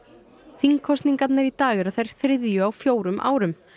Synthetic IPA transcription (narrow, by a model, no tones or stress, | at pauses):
θiŋkʰɔst̪niŋkat̪nɛɾit̪aːɣɪɾaθajɾ̥θɾɪðjʏawfjoːwɾʏmʔa̰ːwɾʏm